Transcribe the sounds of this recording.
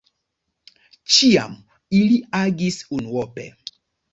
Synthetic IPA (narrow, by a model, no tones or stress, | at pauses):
t͡ʃia̰m | iliaɡisunwɔpɛ̰